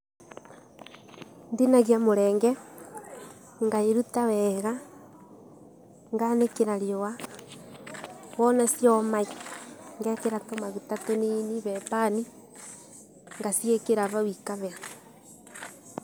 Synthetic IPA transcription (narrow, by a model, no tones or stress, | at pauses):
ndinaɣiamoɾɛːŋɡɛ | ŋɡaeɾutawɛɣa | ŋɡanekeɾaɾjowa | wɔnasjɔmaiŋɡɛkeɾatomaɣutatoniniβɛpani | ŋɡasiekeɾaβawikaβɛa